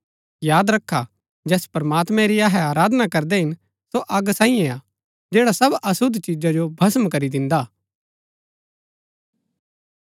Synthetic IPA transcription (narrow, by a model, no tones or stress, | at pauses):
jaːd̪ɾɐkʰːa | d͡ʒɛːspɾmaːt̪mɛ̃ɾiaːɦɛaːɾaːd̪nakɐɾd̪ɛɦɪn | soʔɐɡsãːĩjɛ̃a | d͡ʒɛːɽasɐbɐsʊd̪ʱt͡ʃid͡ʒad͡ʒobʱɐsəmkɐɾid̪ɪ̃nd̪aː